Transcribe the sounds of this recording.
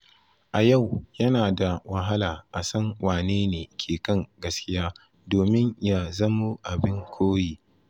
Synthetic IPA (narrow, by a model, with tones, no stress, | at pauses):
ʔa˨ja˦˨wjɐ˦naː˨da˨wa˨ɦa˦laː˨ʔa˨sɐ˦ŋwaː˨neː˦neː˨kʲʰeː˨kɐ˦˨ŋɡɐ˦skʲɪ˦jaː˦ | doː˨mɪ˦ɲja˦zɐ˦mu˦ʔa˨bɪ˦ŋkʷʰoː˦jiː˦